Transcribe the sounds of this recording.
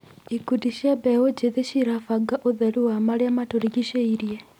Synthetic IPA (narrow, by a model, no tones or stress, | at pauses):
ikudiʃiabɛod͡ʒeðeʃiɾafaɡaʔoðɛɾuwamaɾeamatoɾiɡiʃeiɾjɛ